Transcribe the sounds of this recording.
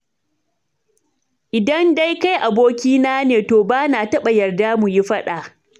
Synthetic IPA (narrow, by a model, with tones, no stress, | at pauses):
ʔɪ˨dɐ˦nda˦jka˦jʔa˨boː˦kʲiː˦naː˦neː˨toː˨baː˦naː˨tɐ˦ɓɐ˨jɐ˨rdaː˦mu˨ji˦ɸɐ˦ɗaː˨ʔ